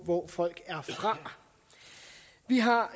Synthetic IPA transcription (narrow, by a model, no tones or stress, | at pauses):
ʋɒfɒ̽l̰ɡ̥æɐfʁɑ̈ | ʋiɦɑ̈